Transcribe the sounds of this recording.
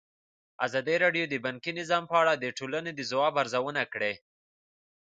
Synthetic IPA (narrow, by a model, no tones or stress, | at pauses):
azɑd̪iɾɑɖjod̪əbaŋkinɪzɑmpəaɽad̪əʈʰolaned̪əzawɑbaɾzawənakɽe